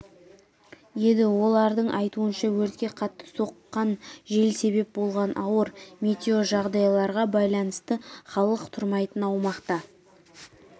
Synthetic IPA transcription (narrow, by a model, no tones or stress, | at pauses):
je̞nd̪ɪwo̞lˠɑɾd̪əɴʔɑjt̪uənʃɑwɵɾt̪̚kʲe̞qʰɑt̪ːə̥so̞qːɑnʒe̞lse̞be̞p̚bo̞lˠʁɑnʔɑwəɾme̞t̪ʲeoʒɑʁd̪ɑjlˠɑɾʁɑbɑjlˠɑnəst̪əχɑlˠəqt̪ʰʊɾmɑjt̪ənɑwmɑqt̪ɑ